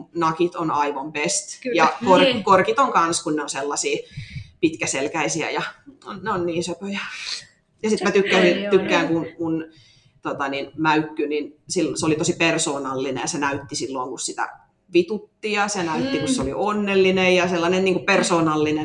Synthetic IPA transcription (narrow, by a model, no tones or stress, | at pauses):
nɑkit̪onɑiʋompest̪jɑkorkorkit̪oŋkɑnskunneonselːɑsiːpit̪kæselkæisiæ̰jɑneonniːnsøpøjɑ | jɑsit̪mæt̪ykːænint̪ykːæːŋkunmun | t̪ot̪ɑninmæykːyninsilːseolit̪osipersoːnɑlːinḛjɑsenæyt̪ːisilːoːŋkussit̪æ̰ | ʋit̪ut̪ːijɑsenæyt̪ːikusseolḭʔonːelːinejɑselːɑnenniːŋkupersoːnɑlːine